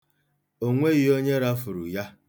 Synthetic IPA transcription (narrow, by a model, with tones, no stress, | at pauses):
o˦ŋʷe˦ɣɪ˨o˦ɲe˦ɾa˦fʊ˨ɾṵ˨ja˦